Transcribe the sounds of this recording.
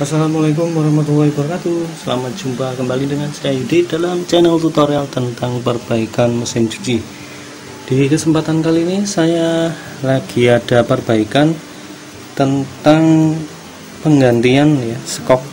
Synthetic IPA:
asalamalak̬ʊmɾahmat̪̬ulaɦikbəɾkat̪usəlamat̪̚d͡ʒ̥umpakəmbalidəŋansajaididalamt͡ʃɛnəlt̪ut̪oɾialt̪ənt̪aŋpərb̥aikanmusɪnt͡ʃu̥t͡ʃi | d̥ikəsəmpat̪ankaliːnisaja | laɡ̥iadapərbaikan | t̪ənt̪aŋ | pəŋɡant̪ianjasəkɔk̚

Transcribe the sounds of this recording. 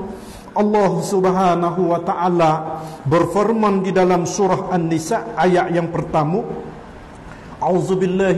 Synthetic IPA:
ʔɑlːɑɦsubɦaːnaɦuwat̪aʔalabərfirmandidalamsuɾɑhanːisaajaʔjaŋpərt̪amu | ʔauzubɪlːa

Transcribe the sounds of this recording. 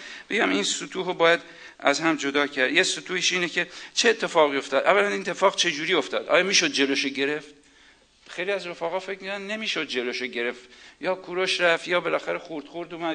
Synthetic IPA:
b̥e̞ɟæminsot̪ʰuːɦobɒːjæd̪ | æ̰zhæmd͡ʒod̪ɒːcʰæɾd̪jesot̪ʰuːhiʃiːnecʰe̞t͡ʃʰeːt̪ʰːe̞fɒːɣiːo̞ft̪ɒːd̪ʔævːælænint̪ʰːefɒːɣt͡ʃʰe̞d͡ʒuːɾio̞ft̪ɒ̰ːd̪ʔɒ̰ːjɒːmiːʃod̪̚d͡ʒe̞loʃoɟe̞ɾe̞ft̪ | xejliæzɾofæːɣɒːfecmikʰoɾænnemiːʃod̪̚d͡ʒe̞loʃoɟe̞ɾe̞ft̪jɒːkʰuɾoʃɾæft̪jɒːbe̞læxæɾexuɾd̪̥χoɾd̪uːmæ

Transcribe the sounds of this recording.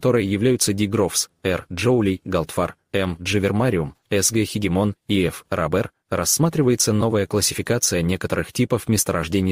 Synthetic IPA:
kɐt̪o̞ɾəjəjɪvlʲæjʊt̪sədʲɪɡɾofsɛrʐoʊlʲijɡɐlˠt̪far | ɛmʐɨvʲɪrmaɾʲɪʊmɛsɡɛxʲɪɡʲɪmo̞niɛfrʔabɛr | rɐsːmat̪ɾʲɪvəjɪt̪səno̞vəjəklˠəsʲɪ̥fʲɪkat̪sɨjənʲe̞kət̪əɾɨxtʲipəfmʲɪst̪əɾɐʐdʲenʲɪj

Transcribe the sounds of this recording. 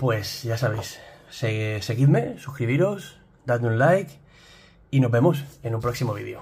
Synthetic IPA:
pwe̞sʝasaβejsːese̞ɣiðme̞sukɾiβiɾos | d̪aðmũnlajk | ino̞zβe̞mosenũmpɾo̞ksimoβ̞ḭðjo̰

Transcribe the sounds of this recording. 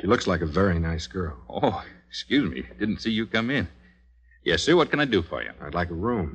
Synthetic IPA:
ʃilʊkslaɪkɨvɛɹinaɪsɡ̥ɜ˞lˠʔo̰ʊɪkskjʉzmḭd̥ɪdⁿn̩tsijɨkʰʌ̃mɪ̃n | jɛ̰sɨwʌt̚kʰɨ̃naɪdɨfə̰˞jɨ̰̃maɪdˡlaɪkəɹũm

